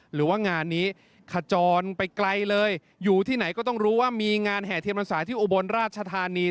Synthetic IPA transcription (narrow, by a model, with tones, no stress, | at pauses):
ɾɯː˩˦waː˥˩ŋaː˧nːiː˦˥ | kʰa˧˩t͡ɕɔː˧npa˧jkla˧jlɤː˧j | juː˨˩t̪ʰiː˥˩na˩˦jkɔː˥˩t̪ɔ˥˩ŋɾuː˦˥waː˥˩miː˧ŋaː˧nɦɛː˨˩t̪ʰi˧mpa˧nsaː˩˦t̪ʰiː˥˩ʔu˧˩bo˧nɾaː˥˩t̪̚t͡ɕʰa˧t̪ʰaː˧niː˧